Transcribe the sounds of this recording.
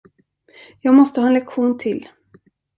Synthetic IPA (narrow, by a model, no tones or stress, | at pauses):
jɑːɡmɔst̪əhɑːɛnlɛkɧuːnt̪ʰɪl